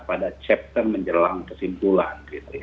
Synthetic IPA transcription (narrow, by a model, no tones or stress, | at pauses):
padat͡ʃɛp̚t̪ərməɲd͡ʒəlaŋkərsimpulankit̪uja